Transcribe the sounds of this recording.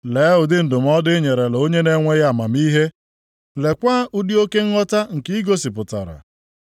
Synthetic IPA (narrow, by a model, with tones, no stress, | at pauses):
le˨˦ɦʊ˨dɪ˦n̩˨dʊ˨m̩˦ɔ˦dɪ˦ɲe˨ɾe˨lo˦ɲe˦ne˦ŋʷe˦ja˦˨ma˨mi˦ɦe˦ | le˨kʷa˦ʔu˦di˦o˦ke˦ŋ̩˦ŋɔ˦ta˦ŋ̩˨ki˦i˦ɡo˦sɪ˨pʊ˨ta̰˨ɾa̰˨